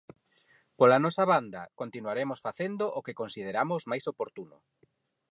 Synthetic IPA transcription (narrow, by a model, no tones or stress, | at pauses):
polanɔsɐβand̪ɐkont̪inuaɾemosfaθend̪oʔokekonsið̞eɾamʊzmajsopoɾt̪unʊ̰